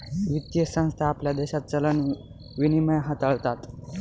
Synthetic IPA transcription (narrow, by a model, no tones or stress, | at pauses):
ʋit̪jəsə̃w̃st̪ʰaːpljad̪eɕat̪̚t͡sələn | ʋiniməjɦat̪əɭt̪at̪